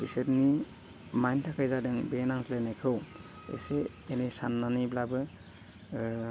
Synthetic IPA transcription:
bisetni | majntʰakʰajzadɯŋbenaŋslenajkʰɾow | ḛse | enesanːaniblabɯ

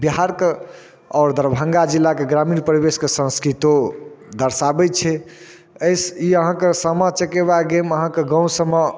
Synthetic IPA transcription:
biɦaɾke | ɔːɾd̪əɾbʱə̃ŋɡad͡ʒilːakeɡɾaminpɾibeskesə̃nskɾit̪od̪əɾsabɛt͡ʃʰɛ | əjsiəɦãkesəmət͡ʃəkeβaɡeməɦãkeɡə̃w̃səmə

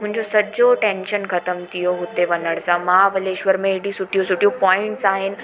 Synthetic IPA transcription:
mũɦɲd͡ʑosəd͡ʑoʈẽnɕənkʰət̪əmt̪ʰijoɦot̪eʋənəɽsãmaɦaʋəleʃʋəɾmẽːɽisuʈʰijõsuʈʰijõpɔɪɳʈsaɦen

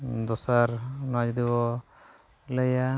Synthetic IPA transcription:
d̪ɔsaɾnad͡ʒd̪ibɔ | ləja

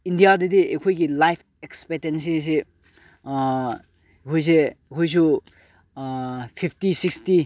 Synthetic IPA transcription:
indijadediekʰojɡilajpʰ | ekspetens̬is̬e | ekʰojs̬ekʰojs̬u | pʰipʰtisiksti

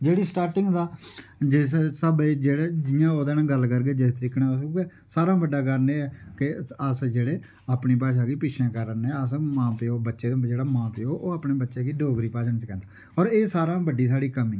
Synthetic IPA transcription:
d͡ʒeːɽiːsʈaːɾʈɪŋɡd̪aːd͡ʒɪssəbeːd͡ʒeːɽeːd͡ʒɪːãːoːd̪ɛːnãːɡəlkəɾɡeːd͡ʒɪst̪əɾɪkʰnãːosoɡɛː | saːɾãːbəɖːaːkəɾneːɛːkɪəsd͡ʒeːɽeː | aːpniːp̬aːs̬aːɡiːpɪʃʰẽːkəɾənɛːəsmãːpeːoːbətːʃeːd̪̃d͡ʒeːɽaːmãːpeːoːʔoːaːpneːbətːʃeːɡiːɖʱoːɡɾiːpaːsənt͡ʃkɛ̃ːnd̪aː | ɔːɾeːsaːɾãːbəɖiːs̬aːɽiːkəmɪ̃ŋ

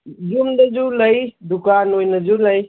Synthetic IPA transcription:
d͡ʒumdɐzulɐjd̪ukanojnɐd͡ʒulɐj

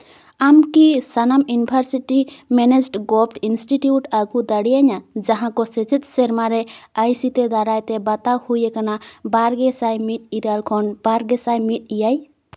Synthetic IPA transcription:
amkisanamjunibʱaɾsiʈimɛned͡ʒʈɡɔpʈinsʈiʈjuʈaɡud̪aɽijaɲad͡ʒaɦãkɔset͡ʃit̪̚ˀsɛɾmaɾɛajsit̪ɛd̪aɾajt̪ɛbat̪ahujɛkanabaɾɡɛsajmit̪̚ˀiɾalkʰɔnb̥aɾɡɛsajmit̪̚ijaj

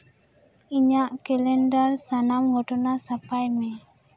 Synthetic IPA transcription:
iɲaʔkɛlɛnɖaɾsanamɡɔʈɔnasapajmɛ

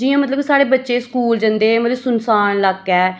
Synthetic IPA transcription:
d͡ʒiːãːmət̪̬ləbsaːɽeːbətːʃeːskuːld͡ʒə̃nd̪eːmələsʊnsaːnləɡɛː

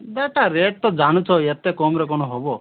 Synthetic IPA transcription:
d̪aʈaɾeʈ̚t̪ɔd͡ʒañut͡ʃʰɔet̪ekɔmɾek̬ɔñɔɦobɔ

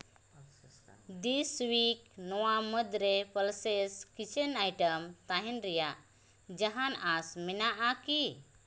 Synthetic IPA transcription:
d̪iswiknɔwaməd̪ɾepəlseskit͡ʃenajʈəmt̪aɦinɾijaʔ | d͡ʒəɦanasminaʔaki

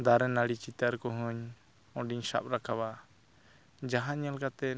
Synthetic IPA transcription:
d̪aɾɛnaɽit͡ʃit̪əɾkɔɦɔɲ | ɔ̃ɖiɲsa̰p̚ɾakʰaba | d͡ʒaɦãɲalkat̪ɛ

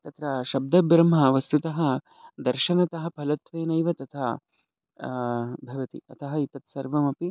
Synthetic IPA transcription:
t̪ɐt̪ɾɐʃɐb̚d̪ɐbɾɐmɐʋɐst̪ut̪ɐɦɐ | d̪ɐɾʃɐnɐt̪ɐɦɐpʰɐlɐt̪ʋeːnɐjʋɐt̪ɐt̪ʰɐ | bʱɐʋɐt̪ḭɐ̰t̪ʰɐɦɐit̪ɐt̪sɐɾʋɐmɐpi

